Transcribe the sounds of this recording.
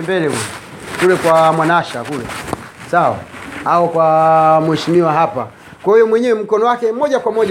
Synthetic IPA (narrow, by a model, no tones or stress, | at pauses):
mbɛlɛɡɛɛ | kulɛkwamwanaʃakulɛ̰ | sawa̰aɔkwamuwɛʃimiwaɦapa | kwahujɔmwɛɲɛwɛm̩kɔnɔwakɛmɔʄakwamɔʄ